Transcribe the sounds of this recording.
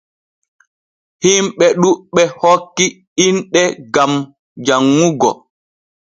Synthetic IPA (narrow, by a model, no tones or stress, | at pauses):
himɓɛɗuɓɛhokːi | inɗɛɡam | d͡ʒaŋːuɡɔ̰